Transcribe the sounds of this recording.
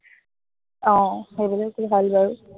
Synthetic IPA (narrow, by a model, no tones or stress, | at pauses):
ɔ̃ebɔlakʰubʱalbʱaɹu